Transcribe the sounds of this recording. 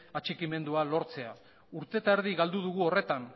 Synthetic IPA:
at͡ʃikime̞nd̪ualo̞ɾt͡se̞a | uɾt̪e̞t̪aeɾðiɣald̪uð̞uɣ̞uo̞re̞t̪an

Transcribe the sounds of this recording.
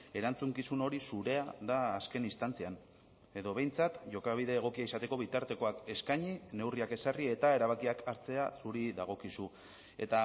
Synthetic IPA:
e̞ɾant͡suŋkisuno̞ɾisuɾe̞aðaːske̞nist̪ant͡sian | e̞ðo̞β̞e̞jnt͡sat̪ʝo̞kaβ̞iðe̞ːɣ̞o̞kiaisat̪e̞ko̞βit̪aɾt̪e̞ko̞ake̞skaɲine̞wriake̞sarie̞t̪ae̞ɾaβakiakʰaɾt͡se̞asuɾiðaɣ̞o̞kisu | e̞̰t̪a

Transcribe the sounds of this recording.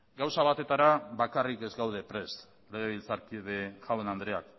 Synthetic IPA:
ɡawsaβat̪e̞t̪aɾaβakarike̞zɡawðe̞pɾe̞s | leɣ̞eβilt͡saɾkiðeʝawe̞nand̪ɾe̞ak

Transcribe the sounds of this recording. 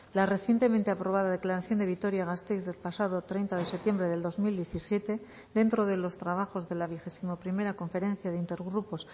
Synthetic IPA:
lare̞θje̞nt̪e̞ment̪e̞apɾo̞β̞aðaðe̞klaɾaθjo̞nd̪e̞βit̪o̞ɾjaɣast̪ezðe̞lpasaðo̞t̪ɾe̞jnt̪aðe̞sept̪je̞mbɾe̞ðe̞ld̪o̞zmild̪je̞θisje̞t̪e̞ | d̪e̞nt̪ɾo̞ð̞e̞lo̞st̪ɾaβ̞axo̞zðe̞laβ̞ixe̞simo̞pɾime̞ɾako̞ɱfe̞ɾẽ̞n̟θjaðeint̪eɾɣɾupos

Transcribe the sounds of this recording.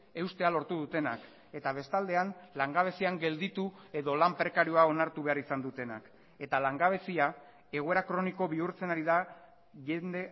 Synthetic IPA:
e̞wst̪e̞alo̞ɾt̪uðut̪e̞nak | e̞t̪aβ̞e̞st̪ald̪e̞anlaŋɡaβ̞e̞siaŋɡe̞ld̪it̪ue̞ðo̞lampɾe̞kaɾiuao̞naɾt̪uβe̞aɾisand̪ut̪e̞na̰k | e̞t̪alaŋɡaβ̞e̞sia | e̞ɣ̞oe̞ɾakɾo̞niko̞βiuɾt͡se̞naɾiða | ʝend̪e̞

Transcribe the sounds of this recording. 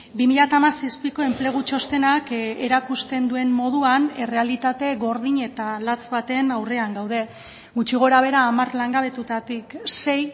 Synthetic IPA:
bimiʎat̪amasispiko̞e̞mple̞ɣ̞ut͡ʃo̞st̪e̞nake̞ɾakust̪e̞nd̪ue̞mmo̞ð̞uane̞re̞alit̪at̪e̞ɣo̞ɾðiɲe̞t̪alat͡sβat̪e̞nawre̞aŋɡawð̞e̞ | ɣut͡ʃiɣ̞o̞ɾaβ̞e̞ɾaːmarlaŋɡaβe̞t̪ut̪at̪ikse̞j

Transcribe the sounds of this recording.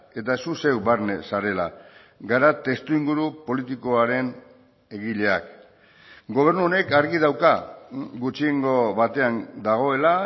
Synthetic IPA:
e̞t̪asuse̞wβaɾnḛsaɾe̞la̰ | ɡaɾat̪e̞st̪uiŋɡuɾupo̞lit̪iko̞aɾe̞n | e̞ɣiʎe̞ak | ɡo̞β̞e̞ɾnuone̞kaɾɣiðawkaɡut͡ʃieŋɡo̞βat̪e̞and̪aɣ̞o̞e̞la

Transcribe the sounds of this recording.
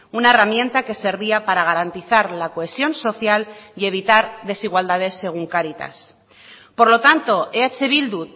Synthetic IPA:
unae̞ramjẽ̞nt̪ake̞se̞ɾβiapaɾaɣ̞aɾant̪iθaɾlako̞e̞sjo̞nso̞θjalie̞βit̪aɾðe̞siɣwald̪aðe̞sːe̞ɣ̞uŋkaɾit̪a̰s | po̞ɾlo̞t̪ant̪o̞ʔeat͡ʃe̞βild̪u

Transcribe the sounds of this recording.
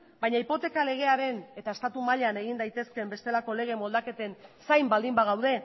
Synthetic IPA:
bajɲaipo̞t̪e̞kale̞ɣ̞e̞aɾe̞ne̞t̪aest̪at̪umaʎane̞ɣind̪ajt̪e̞ske̞mbe̞st̪e̞lako̞le̞ɣ̞emo̞ld̪ake̞t̪e̞nsajmbald̪imbaɣ̞awðe̞

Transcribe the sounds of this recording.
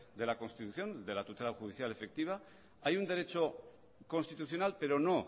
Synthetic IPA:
d̪e̞lako̞nst̪it̪uθjo̞nd̪e̞lat̪ut̪e̞laxuðiθjale̞fe̞k̚t̪iβ̞a | ajund̪e̞ɾe̞t͡ʃo̞ | ko̞nst̪it̪uθjo̞nalpe̞ɾo̞no̞

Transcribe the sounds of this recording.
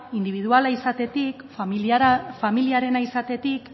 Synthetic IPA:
ind̪iβ̞iðualaisat̪e̞t̪ik | familiaɾe̞naisat̪e̞t̪ik

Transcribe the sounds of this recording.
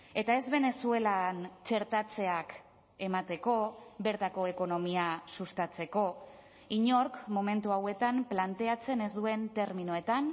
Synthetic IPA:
e̞t̪ae̞zβe̞ne̞sue̞lant͡ʃe̞ɾt̪at͡se̞ak | e̞mat̪e̞ko̞be̞ɾt̪ako̞e̞ko̞no̞miasust̪at͡se̞ko̞ | iɲo̞ɾkmo̞me̞nt̪uawe̞t̪amplant̪e̞at͡se̞nezd̪ue̞nt̪e̞ɾminue̞t̪an

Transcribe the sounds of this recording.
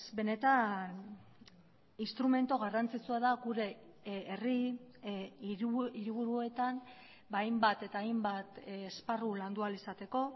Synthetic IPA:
be̞ne̞t̪an | inst̪ɾume̞nt̪oɣarant͡sit͡suaðaɡuɾe̞ː | ri | iɾiβ̞uɾue̞t̪an | bajmbat̪e̞t̪aːjmbat̪ːsparuland̪ualisat̪e̞ko̞

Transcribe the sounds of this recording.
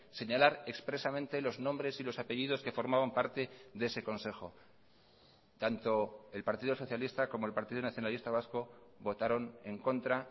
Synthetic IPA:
se̞ɲalaɾe̞kspɾe̞samẽ̞nt̪e̞lo̞znombɾe̞silo̞sape̞ʝið̞o̞ske̞fo̞ɾmaβampaɾt̪e̞ðe̞se̞ko̞nse̞xo̞ | t̪ant̪o̞e̞lpaɾt̪iðoso̞θjalist̪ako̞mo̞e̞lpaɾt̪iðonaθjo̞nalist̪aβ̞asko̞bo̞t̪aɾo̞ne̞ŋko̞nt̪ɾa

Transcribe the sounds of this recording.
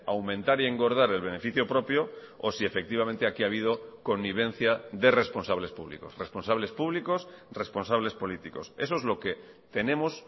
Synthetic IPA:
awmẽnt̪aɾie̞ŋɡo̞ɾð̞aɾe̞lβ̞e̞ne̞fiθjopɾo̞pjo | osie̞fe̞k̚t̪iβ̞ament̪eakiaβ̞ið̞o̞ko̞nːiβ̞ẽ̞n̟θjaðe̞re̞spo̞nsaβle̞spuβlḭko̞̰sre̞spo̞nsaβle̞spuβliko̞sre̞spo̞nsaβle̞spo̞lit̪iko̞se̞̰s̬oezlo̞ke̞ | t̪e̞ne̞mos

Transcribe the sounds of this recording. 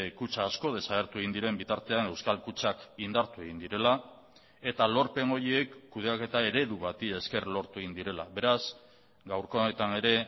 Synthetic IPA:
kut͡ʃaːsko̞ð̞e̞saɣe̞ɾt̪ue̞ɣind̪iɾe̞mbit̪aɾt̪e̞ane̞wskalkut͡ʃakind̪aɾt̪ue̞ɣind̪iɾe̞la | e̞t̪alo̞ɾpe̞ŋo̞ɾiekːuð̞e̞ake̞t̪ae̞ɾe̞ðuβat̪ie̞ske̞rlo̞ɾt̪ue̞ɣind̪iɾe̞laβe̞ɾas | ɡawɾko̞net̪ane̞ɾe̞

